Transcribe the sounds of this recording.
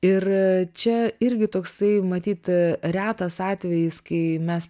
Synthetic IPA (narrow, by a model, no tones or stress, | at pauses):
ɪrt͡ʃʲɛɪɾʲɡʲɪt̪oːksɐɪmɐt̪ʲiːt̪ɾʲæːt̪ɐsɑːt̪ʲʋʲɛjɪskɐɪmʲɛs